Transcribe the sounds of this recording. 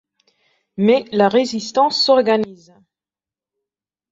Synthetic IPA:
mɛlaʁezist̪ɑ̃sːɔʁɡaniz

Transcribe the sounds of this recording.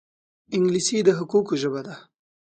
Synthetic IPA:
ɪŋɡlisid̪əɦʊkukoʒəbad̪a

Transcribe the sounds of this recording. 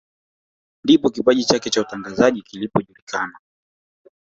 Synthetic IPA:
ndipɔkipaʄit͡ʃakɛt͡ʃautaŋɡazaʄikilipɔʄulikʰana

